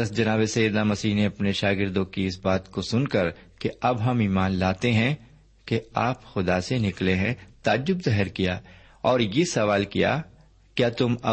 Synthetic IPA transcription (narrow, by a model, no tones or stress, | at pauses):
ɐsd͡ʒɐnaːβesɐid̪namɐsiːɦneɐpneʃaːɡɪɾd̪õkiɪsbaːt̪kosʊnkɐɾkeɐbɦɐmiːmaːnlaːt̪eɦɛ̃ | keaːpxʊd̪asenɪkleɦɛ̃t̪aːd͡ʒʊbzɛɦɛɾkijaː | ɔːɾjesɐʋaːlkija̰ | kjaːt̪ʊmɐ